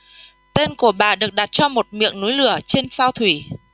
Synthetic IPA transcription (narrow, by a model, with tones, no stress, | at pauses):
t̪e˧nku˧˩əɓaː˧˨˩ɗɨ˨˩ək̚ɗa˨˩t̚t͡ɕɔ˧mo˨˩t̚mḭ˧˨əŋnu˨˦jlɨ˧˩ət͡ɕe˧nsaː˧wt̪ʰwi˧˩